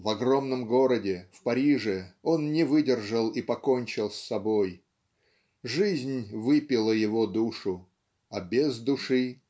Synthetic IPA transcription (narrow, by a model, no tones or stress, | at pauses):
vɐɡro̞mnəmɡo̞ɾədʲɪfpɐɾʲiʐɨo̞nnʲɪvɨdʲɪrʐəlˠipɐko̞nʲt͡ɕɪlˠsʲːɐboj | ʐɨzʲnʲvɨpʲɪlˠəjɪvod̪uʂʊ | ɐbʲɪzd̪ʊʂɨ